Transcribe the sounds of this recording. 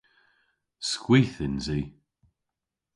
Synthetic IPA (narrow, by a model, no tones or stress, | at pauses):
skwiːθɪnziː